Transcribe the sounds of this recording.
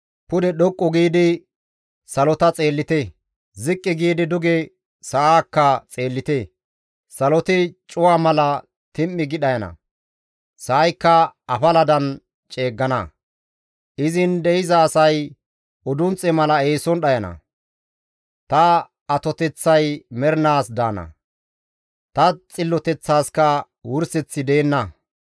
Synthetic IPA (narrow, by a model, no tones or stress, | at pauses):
pʊd̪ɛɗɔkʼːɔɡiːd̪ɪ | sɐlɔt̪ɐt͡sʼe̞ːlːɪt̪e | zɪkʼːɪɡiːd̪ɪd̪ʊɡɛ | sɐʔaːkːɐt͡sʼe̞ːlːɪt̪e | sɐlɔt̪ɪt͡ʃʼʊwaːmɐlɐ | t̪ɪmːɪɡɪɗɐjɐnɐ̰ | sɐːjkːɐɐfɐlɐd̪ɐn | t͡ʃʼe̞ːɡːɐnɐ | ʔɪzɪnd̪ɛɪzɐːsɐj | ɔd̪ʊnt͡sʼɛmɐlɐeːsɔnɗɐjɐnɐ̰ | t̪ɐ | ɐt̪ɔt̪ɛt͡sːɐjmɛɾnaːsd̪aːnɐ̰ | t̪ɐt͡sʼɪlːɔt̪ɛt͡sːaːskɐ | wʊɾsɛt͡sːɪd̪eːnːɐ